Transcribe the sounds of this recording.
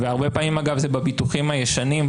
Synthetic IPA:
veaʁbepaːmimaɡavzebabituχimhajeʃanim

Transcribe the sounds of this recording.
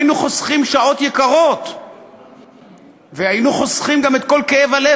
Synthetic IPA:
inuχo̞sχimʃao̞t̪jekaʁo̞t̪ | vehainuχo̞sχimɡamet̪ko̞lkeevale

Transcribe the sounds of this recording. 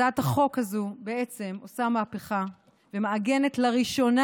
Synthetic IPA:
athaχo̞khazubeʔe̞t͡se̞mo̞samaːpeχa | vemeaɡe̞ne̞tlaʁiʃo̞na

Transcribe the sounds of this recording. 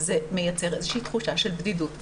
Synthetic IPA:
zeme̞jat͡se̞ʁe̞zeʃiːt̪χuʃaʃelbd̪idut

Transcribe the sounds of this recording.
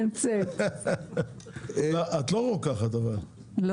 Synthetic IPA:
nt͡se | oʔat̪loʁokaχat̪aval | l

